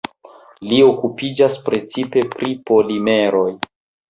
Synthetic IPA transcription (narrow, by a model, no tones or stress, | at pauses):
lio̞kupid͡ʒaspɾe̞t͡sipe̞pɾipo̞lime̞ɾo̞j